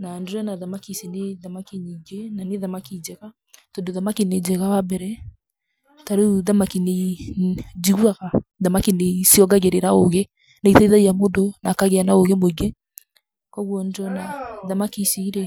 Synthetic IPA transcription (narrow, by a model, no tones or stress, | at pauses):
nandɾɔnaðamakiseneðamakiɲiɡenaneðamakid͡ʒɛɣa | tondoðamakined͡ʒɛɣawabɛɾɛ | taɾeuðamakine | d͡ʒiɣwaɣaðamakinesiɔɡaɣeɾeɾaoɣe | naiθɛiðaiamodonakaɣeanaoɣemoɡɛ | kɔɣwɔndɔnaðamakisiiɾe